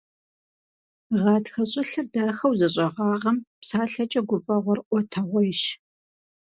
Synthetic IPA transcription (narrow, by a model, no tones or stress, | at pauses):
ʁɑːdxɐɕʼɪɬɐrdaːxɐwzɐɕʼɐʁɑːʁɐmpsaːɬɐt͡ʃʼɐɡʷʊfʼɐʁʷɔrʔʷɔtʰɐʁʷɔjɪʃ